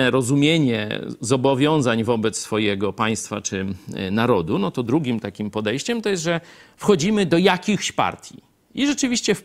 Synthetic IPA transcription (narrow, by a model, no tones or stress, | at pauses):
ɾɔzumʲjeɲɛ̰zɔbɔvʲjɔ̃w̃zaɲvɔbɛt̪ssfɔjɛɡɔpaj̃st̪fat͡ʂɘnaɾɔd̪unɔt̪ɔd̪ɾuɡʲimt̪akʲimpɔd̪ɛjɕt͡ɕɛmt̪ɔjɛst̪ʐɛfxɔd͡ʑimɘd̪ɔjakʲixɕpa̰ɾt̪ʲji | iʐɛt͡ʂɘvʲiɕt͡ɕɛf